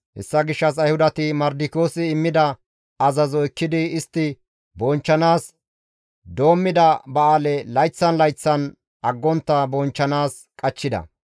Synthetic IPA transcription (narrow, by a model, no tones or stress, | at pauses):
hɛ̰sːɐɡɪʃːɐs̬ɐjhʊd̪ɐt̪ɪmɐɾd̪ɪko̞ːsɪːmːɪd̪ɐ | ɐzɐzɔɪkːɪd̪ɪɪst̪ːɪ | bɔnt͡ʃːɐnaːs | d̪o̞ːmːɪd̪ɐbɐaːlɛlɐjt͡sːɐnlɐjt͡sːɐn | ʔɐɡːɔnt̪ːɐbɔnt͡ʃːɐnaːs | kʼɐt͡ʃːɪd̪ɐ̰